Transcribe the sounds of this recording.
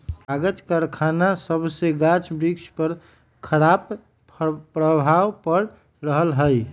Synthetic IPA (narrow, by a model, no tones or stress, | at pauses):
aɡət͡ʃkaɾkʰanasəbseɡat͡ʃbɾikspəɾ | kʰəɾap | pɾəbʱawpəɾ | ɾəɦəlɦəj